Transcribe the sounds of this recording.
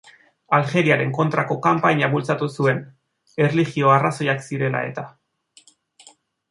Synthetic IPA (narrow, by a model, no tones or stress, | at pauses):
alxe̞ɾiaɾe̞ŋko̞nt̪ɾako̞kampaɲaβult͡sat̪usue̞n | e̞rlixio̞araso̞jaksiɾe̞la̰e̞̰t̪a